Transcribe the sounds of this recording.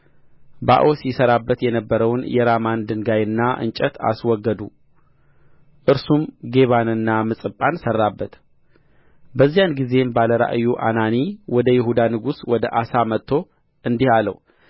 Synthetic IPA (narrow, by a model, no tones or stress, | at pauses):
ba̰ʔosjɛsəɾabːət̪jɛnəbːəɾəwnjɛɾamand̪ɨŋɡajɨnːaʔɨ̰nt͡ʃʼət̪a̰swɔɡːəd̪u | ʔɨɾsumɡe̞βanɨnːamɨsʼɨpʼːansərːabːət̪ | bəzːijanɡize̞mbaləɾa̰ʔjuʔa̰naniwɔd̪əjɪɦud̪anɨɡuswɔd̪əʔasamət̪ʰːo̞ | ʔɨnd̪ihalə̰w